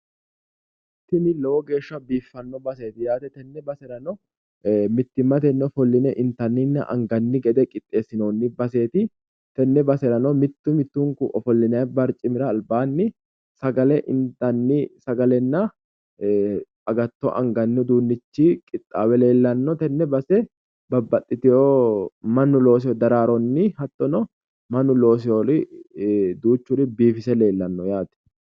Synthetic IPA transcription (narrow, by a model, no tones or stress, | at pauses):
mɪt̪ːɪnɪlowɔɡe̞ːʃːɐbiːfːɐnːɔbɐse̞ːt̪ɪjaːt̪ɛt̪ɛnːɛbɐsɛɾɐnɔ | mɪt̪ːɪmːɐt̪ɛnːɔfɔlːɪnɛʔɪnt̪ɐnːɪnːɐ̰ʔɐ̰ŋɡɐnːɪɡɛd̪ɛkʼɪt̪ʼːe̞ːsɪnoːnːɪbɐse̞ːt̪ɪ | t̪ɛnːɛbɐsɛɾɐnɔmɪt̪ːʊmɪt̪ːʊŋkʊʔɔfɔlːɪnɐjbɐɾt͡ʃʼɪmɪɾɐːlbaːnːɪ | sɐɡɐlɛʔɪnt̪ɐnːɪsɐɡɐlɛnːɐ | ɐɡɐt̪ːɔʔɐ̰ŋɡɐnːʊd̪uːnːɪt͡ʃːikʼɪt̪ʼːaːwɛle̞ːlːɐnːɔt̪ɛnːɛbɐsɛ | bɐbːɐt̪ʼːɪt̪ɪjomɐnːʊlo̞ːs̬ɪɔd̪ɐɾaːɾɔnːɪhɐt̪ʼːɔnɔ | mɐnːʊlo̞ːs̬ɪɔɾɪ | d̪uːt͡ʃːʊɾɪbiːfɪsɛle̞ːlːɐnːɔjaːt̪ɪ̥